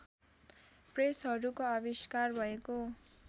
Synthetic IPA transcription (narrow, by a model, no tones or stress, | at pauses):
presɦʌɾukoabiskarbʱʌeko